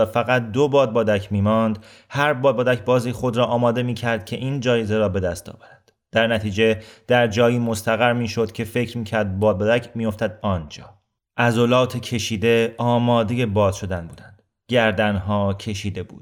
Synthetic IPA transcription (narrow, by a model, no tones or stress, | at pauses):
fæɣæt̪̚d̪obɒːd̪̚bɒːd̪æcʰmiːmɒnd̪ | hæɾbɒːd̪̚bɒːd̪æcʰbɒːziːxo̞d̪ɾɒːʔɒːmɒːd̪e̞miːcʰæɾd̪̥̚cʰe̞ʔiːnd͡ʒɒːjeze̞ɾɒːbe̞d̪æst̪ɒ̰ːvæɾænd̪̥d̪̥æɾnæt̪ʰiːd͡ʒe̞d̪̥æɾd͡ʒɒːjiːmo̞st̪æɣæɾmiːʃo̞d̪̥cʰe̞fe̞cʰɾmiːcʰæɾd̪̚bɒːd̪̚bɒːd̪æcʰmijo̞ft̪æd̪̚ɒːnd͡ʒɒː | ʔæzolɒːt̪ʰecʰe̞ʃiːd̪e̞ɒːmɒːd̪e̞je̞bɒːz̥ʃo̞d̪ænbuːd̪ænd̪̥ | ɟæɾd̪ænɦɒːcʰe̞ʃiːd̪e̞bṵːd̥̪